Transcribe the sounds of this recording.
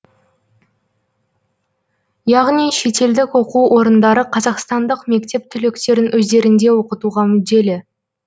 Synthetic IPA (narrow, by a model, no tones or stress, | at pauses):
jɑʁnijʃe̞t̪e̞ld̪ɪkwo̞quʔo̞ɾənd̪ɑɾəqʰɑzɑqst̪ɑnd̪əqme̞kt̪e̞p̚t̪ʰʏlekt̪e̞ɾɪnwɵzd̪e̞ɾɪnd̪e̞wo̞qət̪uʁɑmʏd̪d̪e̞lɪ